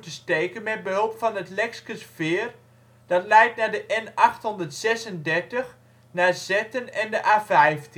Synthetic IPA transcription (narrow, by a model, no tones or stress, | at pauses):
təstejkənmɛt̚bəɦɵlˠpfɑnətlɛkskəsfɪːr | d̥ɑtlɛjtnaːɹdəʔɛnɑχtɦɔndəɹtsɛsəndɛɹtəx | naːzɛtənɛndəʔaːfɛjft